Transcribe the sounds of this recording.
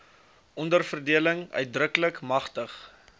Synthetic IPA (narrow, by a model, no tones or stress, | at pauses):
ʔɔndərfərdiələŋœ̰ɥt̚drəkələkmɐχtəχ